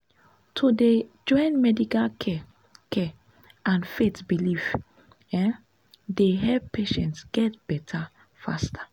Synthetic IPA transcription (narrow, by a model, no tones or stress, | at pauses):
tʰoded͡ʒɔ̃ɪ̃nmɛdikalkʰɛ | kʰɛ | ʔãnfetbilif | ɛ | deɦɛlppeʃɛ̃ntsɡ̥ɛtb̥ɛtʰa | fa̰stʰḁ